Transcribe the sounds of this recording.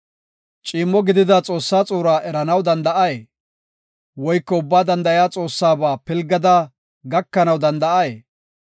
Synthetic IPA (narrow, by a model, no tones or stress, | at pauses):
t͡ʃʼiːmːɔɡɪd̪ɪd̪at͡sʼo̞ːsːaːt͡sʼuːɾaːʔɛɾɐnɐwd̪ɐnd̪ɐʔɐjeː | wɔjkːɔʊbːaːd̪ɐnd̪ɐʔjaːt͡sʼo̞ːsːaːbaːpɪlɡːɐd̪a | ɡɐkːɐnɐwd̪ɐnd̪ɐʔɐje